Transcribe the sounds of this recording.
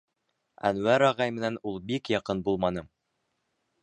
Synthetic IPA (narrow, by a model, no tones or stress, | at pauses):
æ̰nwæɾɑʁɑjmɘ̆nænulˠbikjɑqɤnbulˠmɑnɤm